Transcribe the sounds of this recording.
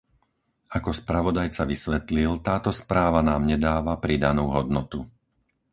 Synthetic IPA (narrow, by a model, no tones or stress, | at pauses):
akɔspɾaʋɔd̪ajt͡saʋisʋɛt̪lilt̪aːt̪ɔspɾaːʋanaːmɲɛd̪aːʋapɾid̪anuːɦɔd̪nɔt̪u